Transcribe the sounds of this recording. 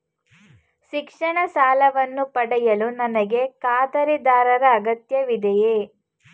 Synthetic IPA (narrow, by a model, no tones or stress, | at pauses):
ʃikʂɐɳɐsaːlɐʋɐnːupɐɽɛjɐlunɐnɐɡe̞kaːd̪ɐɾid̪aːɾɐɾɐːɡɐt̪jɐʋid̪ɛjeː